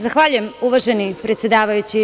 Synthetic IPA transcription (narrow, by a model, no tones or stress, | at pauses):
zaxʋaːʎuje̞muʋaʒenipɾet̪sjed̪aːʋajut͡ɕi